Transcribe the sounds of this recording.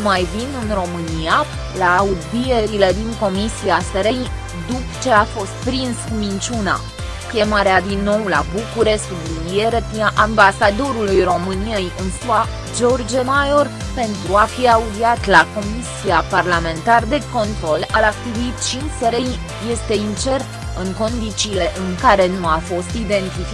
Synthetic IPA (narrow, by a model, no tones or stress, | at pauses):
majvinɨnro̞mɨnia | laːud̪bijeɾile̞d̪iŋko̞misiaseɾej | d̪upt͡ʃe̞afo̞st̪̚pɾinskumint͡ʃuna̰ | kʲe̞maɾead̪inːo̞wla̰bukuɾe̞skb̪lulije̞ɾepinaʔambasad̪o̞ɾulujro̞mɨnije̞jɨnsua | d͡ʒo̞rd͡ʒemajo̞r | pe̞nt̪ɾuafiaud̪iat̪lako̞misiaparlame̞nt̪ard̪e̞ko̞nt̪ɾo̞lalak̚t̪ivit̪t͡ʃint͡ʃseɾej | je̞st̪e̞int͡ʃe̞r | ɨŋko̞nd̪it͡ʃiːle̞ʔɨŋkaɾe̞nuafo̞st̪id̪e̞nt̪ifi